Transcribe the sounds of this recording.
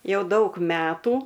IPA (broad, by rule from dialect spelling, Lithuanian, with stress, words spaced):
ˈjɛʊ ˈdɐʊk ˈmʲæːtuː